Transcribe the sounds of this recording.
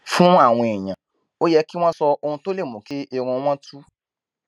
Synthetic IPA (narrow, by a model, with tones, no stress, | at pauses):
fũ˦a˦˨w̃ɔ̃˧e˨ɲ̃ã˨ | o˦jɛ˧˦ki˦w̃ɔ̃˦sɔ˧o˧ũ˧to˦le˦˨mũ˨ke˦e˧ɾ̃ũ˧˦w̃ɔ̃˦tʰu˦